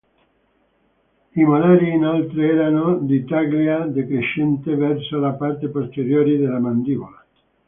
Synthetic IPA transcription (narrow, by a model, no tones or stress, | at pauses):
imalaɾinalt̪ɾeeɾanod̪it̪aɣljiaðekɾeʃent̪eβɛɾsolapaɾt̪epost̪eɾjoɾiðelamand̪iβola